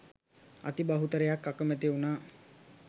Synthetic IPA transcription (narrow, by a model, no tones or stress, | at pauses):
a̰t̪ibaɦut̪əɾejakːakəmæt̪eunaː